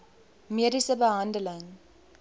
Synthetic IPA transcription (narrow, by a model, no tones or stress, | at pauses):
miəɾisəbəɦãːndəlaŋ